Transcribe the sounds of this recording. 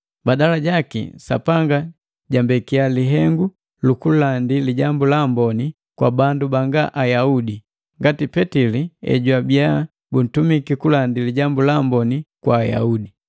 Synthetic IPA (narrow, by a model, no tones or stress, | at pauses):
badalaɟakḭsa̰paŋɡa | ɟambɛkialiɦɛŋɡu | lukulandiliɟambulambɔni | kwa̰bandubaŋɡaʔajaudi | ŋɡatipɛtiliɛ̰ɟwabia | bun̩tumikikulandiliɟambulambɔnikwaːja̰udi